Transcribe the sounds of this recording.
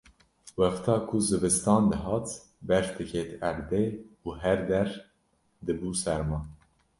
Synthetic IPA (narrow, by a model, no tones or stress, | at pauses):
wɛft̪ʰɑːkʰuzɨbɨst̪ɑːnd̪ɨɦɑːt̪ | bɛɾt̪ʰɨkʰeːt̪æɾd̪eːuːɦɛɾd̪ɛɾ | d̪ɨbuːsɛɾmɑː